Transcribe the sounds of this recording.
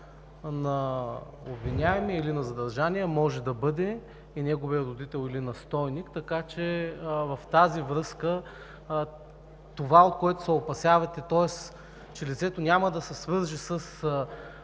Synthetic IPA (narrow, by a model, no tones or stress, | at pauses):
nɐ | obvinʲaɛmiilinɐzɐd̪ɐɾʒaniɛmɔʒɛd̪ɐbɤd̪ɛ | inɛɡoviəɾod̪it̪ɛlˠilinɐst̪ɔjnikt̪ɐkat͡ʃɛvɐft̪azivɾɤskə | t̪ovaot̪̚koɛt̪ʊ̥sɐopɐsʲjavɐt̪ɛt̪ɔɛs | t͡ʃɛlit̪sɛt̪onʲamɐd̪ɐsɛsvɤɾʒisəs